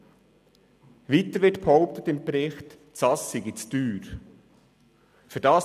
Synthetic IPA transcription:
ʋiːt̪əɾʋɪtphɔʊp̚t̪ət̪ɪmbɾɪχt | t͡sɑsiɡɪt͡styːɾ | fyːɾdɑːs

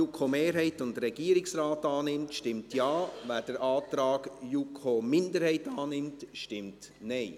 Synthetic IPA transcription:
ukʰomeːɾɦɛɪtʊndɾɛɡiːəɾɪksɾaːtɑːnɪmtʃtɪmtjɑːvæːd̥əɾʔaːtɾɑːɡ̥jukʰomɪndəɾhɛɪtɑːnɪmtʃtɪmt | nɛɪ

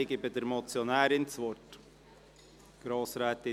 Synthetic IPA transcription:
ɪɡɪbədəɾmɔt͡sjɔnæːɾɪnt͡sʋɔt | ɡ̥ɾɑːsɾæːt̪ɪ

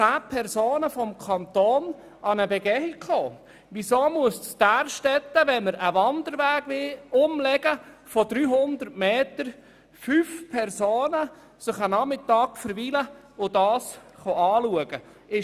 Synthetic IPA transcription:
t͡sæːpʰɛɾsoːnəfɔmkʰɑnt̪oːn | ʔɑnəbɛɡɛhikχoː | ʋisoːmuəsstæːɾʃtɛt̪ːəʋɛnməɾəʋɑnd̪əɾʋæːɡ̥ʋɪlʊmlɛɡ̥əfɔd̪ɾyːɦʊnd̪əɾtmeːt̪əɾ | fyːfpʰɛrsoːnə | sɪχənɑmɪt̪ːɑːɡfəɾʋilə | ʊdɑːsχɔɑːluəɡ̥ə | ɪ

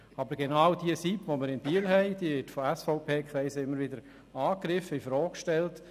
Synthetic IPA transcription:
ɑbəɾɡ̥enawdiəsitʋoməɾɪnb̥iːəlɦɛɪd̥iːʋɪtfɔæsfɔʊpʰeːkχɾɛɪsəɪmːəɾʋɪdəɾ | ɑːkɾɪfəifɾɔːkʃtɛlt

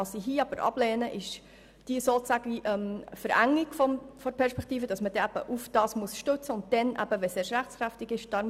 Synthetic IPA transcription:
ɑsiɦiːɑb̥əɾʔɑ̰b̥lɛːnəʔɪʃ | d̥isoːt͡sæːɡəiʔɛmfəɾʔæŋːiɡ̥fɔmfɔɾpʰɛɾʃpɛkt̪iːfəd̥ɑsməd̥ɛæb̥ə̰ʔufd̥ɑːsmuəsʃtøt͡səʊnt̚d̥ɛnʔæ̰b̥əʋɛseːɾʃɾæχt͡skɾæftɪɡɪʃd̥ɑ

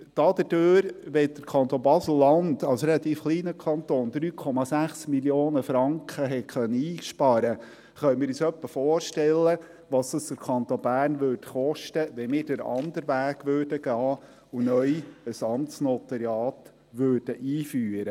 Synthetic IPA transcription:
d̪̥ɑːd̥̪əd̥øːɾʋɛd̥̪əɾkʰɑnt̪onbɑsl̩ːɑnd̪ɑlsɾɛlɑt̪iːfχliːnəkʰɑnt̪oːnd̪ɾyːkʰɔmɑsæχsmiljoːnəfɾɑŋkχəɦɛkʰœnːəiːʃpɑɾə | χœʏmɪːɾyːsœpːəfɔoːɾʃtɛlːə | ʋɑːsd̥ɑsd̥əɾkʰɑnt̪onbæːrnʋøːɾdχɔʃtəʋɛmɪːɾd̥əɾɑ̰nd̪əɾʋæːɡ̥ʋøːɾdəɡ̥ɑː | unœjəsɑmsnɔt̪əɾjɑːt̪ | ʋøːɾd̥əʔiːfyːɾə

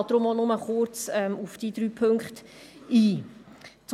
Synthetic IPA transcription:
td̥ɾomɔlnʊməχʊrt͡sɛmufd̥iːd̥̪ɾyːpʰøŋkχt | iː | t͡s

